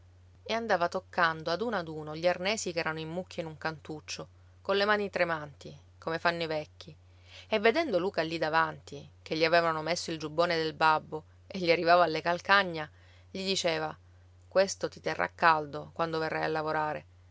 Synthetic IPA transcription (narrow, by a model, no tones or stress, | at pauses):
eand̪aːvat̪okːand̪oad̪unad̪uːnoʎiarnɛːsikɛːɾanoimːukʰʲːainuŋkant̪ut͡ʃːo | kolemaːnit̪ɾemant̪i | komefanːoivɛkʰʲːi | evːed̪ɛnd̪oluːkalːid̪avant̪ik̟eʎːiaveːvanomesːoild͡ʒubːoːned̪elbabːo | eʎːiarːivaːvaːlːekalkaɲːa | ʎid̪it͡ʃeːva | kwest̪ot̪it̪erːʔa̰kːald̪okwand̪overːajalːavoɾaːɾe